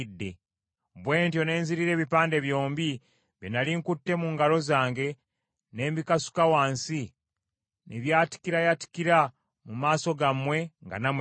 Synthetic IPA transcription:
dːe̞ | βwe̞ːntjo̞ne̞ːnziɾiɾe̞ːβipaːnde̞βjo̞ːmbi | βjenaliŋkutːe̞muŋɡalo̞zaːŋɡe̞ | ne̞ːmbikasu̥kawaːnsi | nʔiβjaːti̥kiɾajati̥kiɾa | mumaːso̞ɡamwe̞ŋɡa̰nam

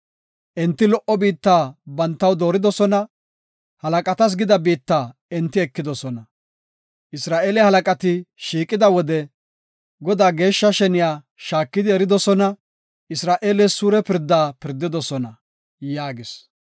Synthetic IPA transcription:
ʔɛnt̪ːɪlɔʔɔbiːt̪ːaːbɐnt̪ːɐwd̪o̞ːɾɪd̪ɔsɔnɐ | hɐlɐkʼɐt̪ɐs̬ɡɪd̪ɐbiːt̪ːaːɛnt̪ːɪɛkːɪd̪ɔsɔnɐ | ʔɪsɾaːʔeːlɛhɐlɐkʼɐt̪ɪʃiːkʼɪd̪ɐwɔd̪ɛ | ɡɔd̪aːɡe̞ːʃːɐʃɛnɪjaː | ʃaːkːɪd̪ɪɛɾɪd̪ɔsɔnɐ | ɪsɾaːʔe̞ːlɛssuːɾɛpɪɾd̪ːaːpɪɾd̪ːɪd̪ɔsɔnɐ | jaːɡɪs

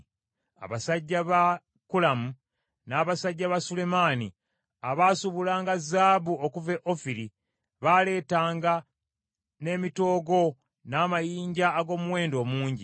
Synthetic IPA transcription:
a̰βasaɟːaβa | kulamu | naːβasaɟːaβasule̞maːni | aβaːsuβulaːŋɡazaːβuokuve̞ʔo̞fiɾi | βale̞ːtaːŋɡa | ne̞ːmito̞ːɡo̞ | naːmajiːɲɟaːɡo̞ːmuwe̞ːndo̞ːmuːɲɟi

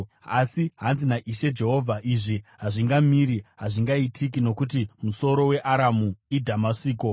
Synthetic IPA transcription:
asiɦanzinaʔiʃe̞d͡ʒe̞ɦo̞vʱaʔiʐiɦaʐiŋɡamiɾiɦaʐiŋɡaitʰik̬ino̞kutimuso̞ɾo̞we̞ʔaɾamuidʱamasiːko̞

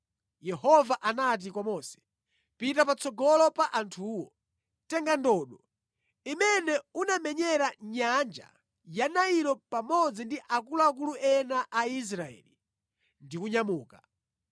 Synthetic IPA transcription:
jɛhɔvaʔanat̬ikwamɔsɛ̥ | pitapat͡sɔɡɔlɔpaʔantʰuːwɔ | tɛŋɡandɔːɗɔ | imɛnɛunamɛɲɛɾaɲand͡ʒa̰ | janaiɾɔpamɔd͡zindiʔakuluak̬uluʔɛnaʔais̬ɾaɛ̰ːli | ndikuɲamuːka

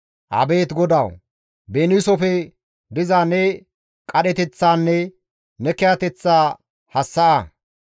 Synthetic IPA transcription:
ʔɐ̰be̞ːt̪ɡɔd̪ɐw | benɪsɔfɛ | d̪ɪzaːnːɛ | kʼɐɗɛt̪ɛt͡sːaːnːɛ | nɛkɛɐt̪ɛt͡sːaː | hɐsːɐʔɐ

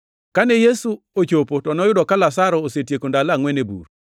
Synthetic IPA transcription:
kanɛjesu | ot͡ʃopotɔnɔjʊdɔkalasaɾɔosetjekondalaːŋwɛnebṵɾ

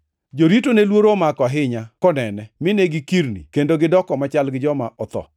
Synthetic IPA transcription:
d͡ʒoɾitonelwoɾomakɔɦɪɲakɔnɛnɛmɪneɡɪkiɾnḭkendoɡɪdɔkɔmat͡ʃalɡɪd͡ʒɔmaʔɔt̪ɔ̰

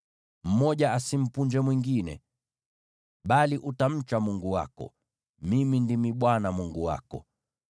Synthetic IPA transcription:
m̩mɔʄaasim̩puɲd͡ʒɛmwiŋɡinɛ̰ | ɓaliʔutam̩t͡ʃamuŋɡuwa̰kɔ̰ | mimindimiɓwanamuŋɡuwa̰kɔ̰

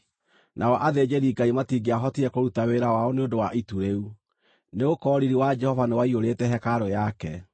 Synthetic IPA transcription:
nʔaɔʔaðed͡ʒeɾiɡaimatiɡeaɦɔtiɛkoɾutaweɾawaɔneodowaʔituɾeu | neokɔːɾiɾiwad͡ʒɛhɔvanewaioɾetɛɦɛkaɾojakɛ

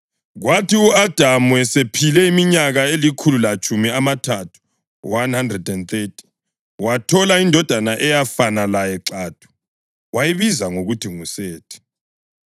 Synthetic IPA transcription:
ɣwatʰiuad̥ʱamuɛsepʰilɛimiɲaɣaelikʰululat͡ʃʼumiamatʰatʰu̥ | wanhandrɛdɛnθetʰi̥ | watʰɔlaindʱɔd̥ʱanaʔɛjafanalajɛǁaːd̥ʱu̥ | wajiβizaŋoɣutʰiŋusɛːtʰɛ̥

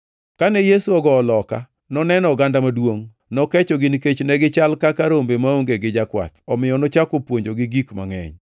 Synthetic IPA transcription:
kanɛjesuɔɡɔːlɔka̰ | nɔnɛnɔɡandamadwoŋ | nɔkɛt͡ʃɔɡɪnket͡ʃnɛɡɪt͡ʃalkakaɾombemaoŋɡeɡɪd͡ʒakwa̰t̪ɔmɪjɔnɔt͡ʃakopwoɲd͡ʒoɡɪɡikma̰ŋɛ̰ɲ

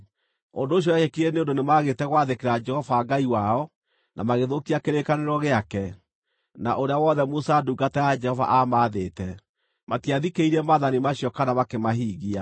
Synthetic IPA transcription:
ondoːɕ̬jɔjaʃekiɾeneondonemaɣetɛɣwaðekeɾad͡ʒɛhɔvaɡaiwaɔ | nʔa̰maɣeðokiakeɾekaneɾɔɣeakɛ | naʔoɾeawɔðɛmosaduɡatɛad͡ʒɛhɔva̰ʔamaðeːtɛ | matiaðikeiɾɛmaðanimaɕiɔkanamakemaɦiːɣia

